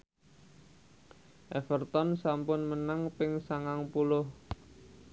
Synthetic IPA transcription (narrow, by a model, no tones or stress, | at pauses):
ʔɛfərt̪ɔnsampʊnmənaŋpɪŋsaŋaŋpulʊh